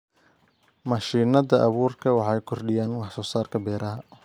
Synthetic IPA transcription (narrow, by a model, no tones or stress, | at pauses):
mɐʃiːnɐðɐʔɑβuːrkʰɐwɑħɑjkʰɔrɖɪjaːnwɑħsɔːsaːrkʰɐbɛːɾɐɦɐ